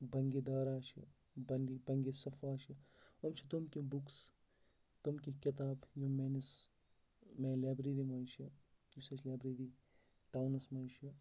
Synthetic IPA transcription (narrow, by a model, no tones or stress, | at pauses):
bɐŋɡed̪aːɾaːʃɐ̰ | bɐŋɡibɐŋɡesɐfaːʃɐɐmt͡ʃʰit̪umkʲibuks | t̪omkʲikʲit̪̬aːbjumenɐs | meːlaːbɾeɾimɐːnʃɐ | jusɐt͡ʃlaːbɾeɾi | ʈawnɐsmɐːnʃɐ